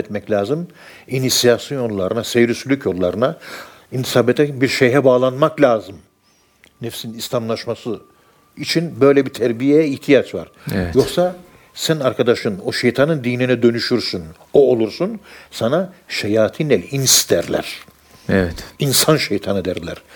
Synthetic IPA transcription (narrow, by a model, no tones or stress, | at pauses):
ɛt̪mɛclʲaːzɯm | inisijasɯjolˠːaɾɯnasevɾysylʲːycjo̞lˠːaɾɯna | int̪ʰi̥saːbɛt̪ɛbiɾʃejɦɛbaːlˠanmaklʲaːzɯm | nɛfsinist̪ʰamlˠaʃmasɯ | it͡ʃʰinbø̞jlʲɛbit̪ʰæɾbijejɛiht̪ʰijat͡ʃva̰ɾ̥ɛvjoksa | sænaɾkʰad̪aʃɯno̞ʃejt̪ʰanɯnd̪ijninɛd̪ø̞nyʃyɾsyn | oːlˠuɾsunsanaʃejaːt̪ʰinɛlʲinsd̪̥æɾlʲæ̰ɾ̥ | ɛvɛt̪insanʃejt̪ʰanɯd̪æɾlʲæ̰ɾ̥